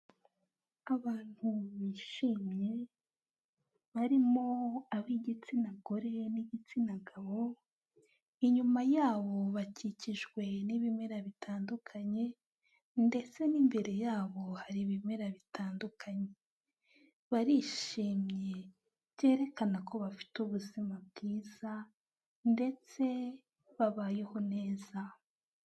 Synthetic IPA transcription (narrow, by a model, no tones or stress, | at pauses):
aβaːn̥huβiʃiːmje̞ | βaɾimo̞aβiɟit͡sinaɡo̞ɾe̞niɟit͡sinaɡaβo̞ | iɲumajaːβo̞βaciciʒɡwe̞niβimeɾaβitʰaːndukʰaɲe̞ | nde̞t͡se̞nimbe̞ɾe̞jaːβo̞haɾiβime̞ɾaβitʰaːndukʰaɲe | βaɾiʃiːmɲe̞ | bɟe̞ːɾe̞kanako̞βafi̥tuβuzimab̚ɡiːz̥a | nde̞t͡se̞ | βaβajeho̞ne̞ːza